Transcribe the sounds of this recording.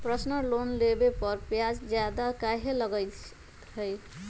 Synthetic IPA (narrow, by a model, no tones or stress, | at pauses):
pɾʌsnəlonlebepʌɾpjad͡ʒd͡ʒjad̪akaɦeləɡəj | t͡ʃʰʌj